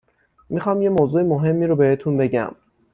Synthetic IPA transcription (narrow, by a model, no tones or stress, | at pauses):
mixɒːmje̞moːzuːemoɦe̞mːiːɾobe̞het̪ʰunbe̞ɟæ̰m